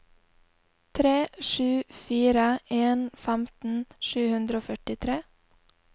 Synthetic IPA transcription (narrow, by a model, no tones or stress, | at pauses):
t̪ʰɾeːʃʉːfiːɾəʔeːnfæmt̪n̩ʃʉːhʉnd̪ɾəoːfœʈɪt̪ʰɾeː